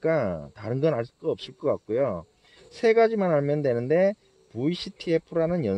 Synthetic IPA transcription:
k͈ataɾɯnɡʌnaɭs͈udoʌp̚s͈ɯɭk͈ʌk͈ak̚k͈ojo | sʰe̞ɡad͡ʑimanɦaɭmjʌndwe̞nɯnde̞ | puiɕ͈ʰitʰiepʰuɾanɯnjʌ

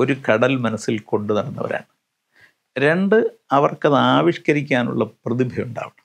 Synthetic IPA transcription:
o̞ɾukɐɽɐlmɐnɐsːilko̞ɳɖɨnɐɽɐnːɐʋɐ̰ɾa̰ːɳɨ | ɾe̞ɳɖɨɐʋɐrkɐðaːʋiʂkɐɾikʲːaːnṵɭːɐprɐðibʱɐjuɳɖa̰ːʋɐɳɐ̥

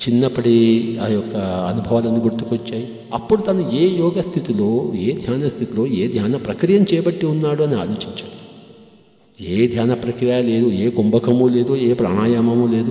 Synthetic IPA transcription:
t͡ʃinːɐpːɐɽiɐjɔkːɐɐnubʱɐʋaːlɐnːiɡuɾt̪u̥kʋɐt͡ʃːaːji | ɐpːuɽut̪ɐnueːjɔːɡɐst̪ʰit̪ilo̞ːeːd̪ʱjaːnɐst̪ʰit̪ilo̞ːeːd̪ʱjaːnɐpɾɐkɾijɐmt͡ʃɛːjɐbɐʈːiunːaːɽuɐnia̰ːloːt͡ʃiɲt͡ʃaːɽi | eːd̪ʱjaːnɐpɾɐkɾijajale̞ːd̪ueːɡombɐkʰɐmule̞ːd̪ueːpɾa̰ːɳaːjaːmɐmuleːd̪u

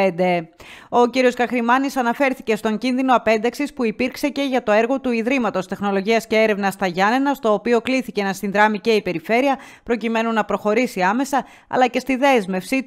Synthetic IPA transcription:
d̪e̞o̞ciɾio̞skɐxɾimɐnisɐnɐfe̞ɾθice̞st̪o̞ɲɟinðino̞ɐpe̞nd̪ɐksispuipiɾkse̞ce̞ʝɐt̪o̞e̞ɾɣo̞t̪uiðɾimɐt̪o̞st̪e̞xno̞lo̞ʝiɐsce̞eɾe̞vnɐst̪ɐʝɐne̞nɐst̪o̞ːpio̞kliθicenɐsinðɾɐmice̞ipe̞ɾife̞ɾiɐ | pɾo̞cime̞nunɐpɾo̞xo̞ɾisiɐme̞sɐ | ɐ̰lɐce̞st̪iðe̞zme̞fsi

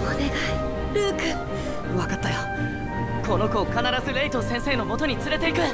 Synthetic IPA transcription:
oneɡai | ɾɯːkɯ | βakat̪ːajo | ko̞no̞kokanaɾazɨɾe̞it̪osẽ̞ɰ̃se̞ːno̞mo̞t̪o̞ɲ̟it͡sɨɾe̞t̪e̞ikɯ̟

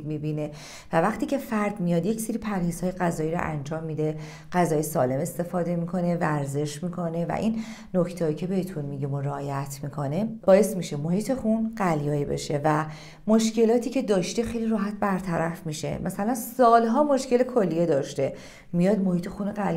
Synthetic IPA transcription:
mibine̞ | vævæχt̪iːcʰe̞fæɾd̪mijɒːd̪jecseɾipʰæɾhiːz̥hɒːjeɢæzɒːjiɾo̰ʔæ̰nd͡ʒɒːmːid̪e | ɢæzɒːjesɒːle̞me̞st̪e̞fɒːd̪e̞mikʰo̞ne̞væɾze̞ʃmiːkʰo̞ne̞væ̰ʔinː | ocʰt̪ʰhɒjicʰe̞be̞het̪ʰunmiɟimoɾeɒːjæt̪ʰmikʰo̞neb̥ɒːje̞smiʃemohiːt̪ʰe̞xunɢæljɒːjibḛʃe̞væ | moʃce̞lɒːt̪ʰiːcʰe̞d̪ɒːʃt̪exejliɾɒːɦæt̪̚ʰbæɾt̪ʰæɾæfmiʃe̞̰mʔæsælænsɒːlɦɒːmoʃce̞lekʰolːijed̪ɒːʃt̪e̞ | mijɒːd̪mo̞hiːt̪ʰe̞xuneɢæl

